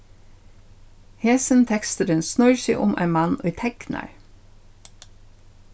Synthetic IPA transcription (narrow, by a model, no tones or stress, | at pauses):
heːsən̩t̪ʰɛkst̪əɾənsnœʏɹʃɪ̰ʔʊ̰mʔæ̰ɪmɑnoiːt̪ʰɛɡnɑ̰ɹ